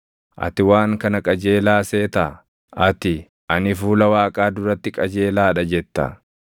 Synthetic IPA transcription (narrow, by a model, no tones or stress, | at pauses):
ʔɐ̰t̪ɪwaːŋkɐnɐkʼɐd͡ʒe̞ːlaːse̞ːt̪ɐ | ɐt̪ɪ | ʔɐnɪfuːlɐwaːkʼaːd̪ʊɾɐt̪ːɪkʼɐd͡ʒe̞ːlaːᶑɐd͡ʒɛt̪ːɐ̰